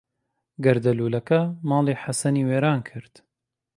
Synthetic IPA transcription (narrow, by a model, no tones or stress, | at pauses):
ɡɐɾd̪ɐluːlɐkɐmɑːliːħasɐniːweːɾaːnkʰɨɾd̪̥